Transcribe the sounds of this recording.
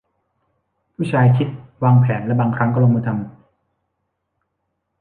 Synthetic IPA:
pʰuː˥˩t͡ɕʰaː˧jkʰi˦˥t̪̚waː˧ŋpʰɛː˩˦nla˥˩baː˧ŋkʰɾa˦˥kɔ˥˩lo˧ŋma˧t̪ʰa˧m

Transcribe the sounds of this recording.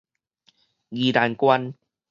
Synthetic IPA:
ɡi˨ɾa˨˩nkwa˦n

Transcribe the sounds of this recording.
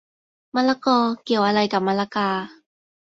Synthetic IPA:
ma˧˥la˥kɔː˧ki˧˩˨waː˧˥la˧jka˨˩ma˧˥la˥kaː˧

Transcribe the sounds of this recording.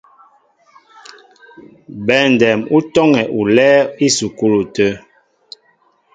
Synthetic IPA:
bɛ˨n˨dɛ˨mu˦tɔ˦ŋɛ˨ʔu˨lɛ˦i˦su˨ku˦lu˨tə˦

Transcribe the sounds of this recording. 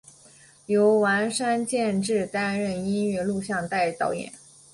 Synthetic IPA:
jo˧˥ʊwa˧˥nʂa˥nt͡ɕjɛ˥˧nʈ͡ʂɻ̩˥˩t̪a˥nɻə˥˩ni˥nɥɛ˥˧lu˥˧ɕjɑ˥˧ŋt̪a˥˧ɪt̪ɑ˥˩ʊjɛ̰˨˩˦n

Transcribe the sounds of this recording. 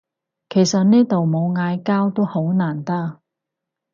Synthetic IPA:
kʰe˨˩jsɐ˨t̚niː˥t̪o˨wmo˨˧wŋaː˨˧jkaː˥wt̪o˥who˨˥wnaː˨˩nt̪aː˥

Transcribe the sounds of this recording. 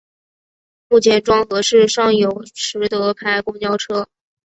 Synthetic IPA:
mu˥˩t͡ɕʰjɛ˧˥nʈ͡ʂwɑ˥ŋxɤ˧˥ʂɻ̩˥˧ʂɑ˥˩ŋjo˨˥˩ʊʈ͡ʂʰɻ̩˧˥t̪ɤ˧˥pʰa˥˩ɪkʊ˥ŋt͡ɕjɑ˥ʊʈ͡ʂʰɤ˥

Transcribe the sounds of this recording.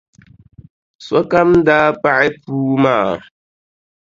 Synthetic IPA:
swɔ˦ka˦m˦daː˦pa˦ʔɛ˦puː˦maː˦˨

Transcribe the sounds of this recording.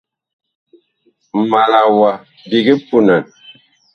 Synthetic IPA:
ma˨la˨wa˨ | bi˨ɡi˦pu˦na˨n

